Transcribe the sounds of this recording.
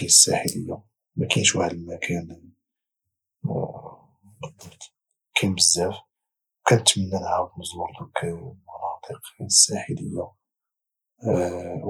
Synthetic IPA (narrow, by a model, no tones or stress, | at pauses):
inəsːæ̰ħələjːa | mækænʃwʕlmækʰæn | d̪t̪ | kʰæjməzːæf | wkænt̪mənːənhæbməzməlt̪ukmʊnɑt̪iqinəsːæħələjːa